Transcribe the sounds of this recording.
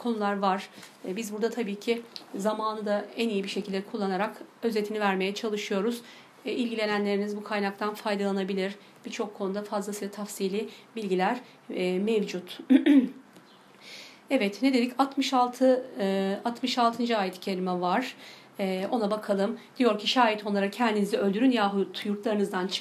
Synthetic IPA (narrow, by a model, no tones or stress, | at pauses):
kʰo̞nulˠaɾvaɾ̥bizbuɾd̪at̪ʰabiːcʰizamaːnɯd̪aænijibiʃecʰilʲd̪eɛɛkʰulˠːanaɾakø̞ze̞t̪ʰinivæɾme̞jɛt͡ʃʰalˠɯʃɯjo̞ɾuz̥ | ilʲɟilʲe̞nænlʲe̞ɾinizbukʰajnak̚t̪ʰanfajd̪alˠanabilʲiɾ̥ | b̥it͡ʃʰo̞kʰːonud̪afazlˠasɯlat̪ʰafsiːlʲibilʲɟilʲæɾ̥ | mevd͡ʒut̪ | ɛvɛt̪ned̪e̞lʲicat̪mɯʃalˠt̪ʰɯ | at̪mɯʃalˠt̪ʰɯnd͡ʒɯaːjɛt̪ʰi̥cʰe̞lʲimɛvaɾ̥ː | o̞nabakʰalˠɯmd̪̥ijo̞ɾcʰiʃaːjit̪ʰo̞nˠaɾacʰɛnd̪inizɛø̞lʲd̪yɾynjaɦt̪ʰjuɾt̪lˠaɾɯnɯzd̪ant͡ʃʰ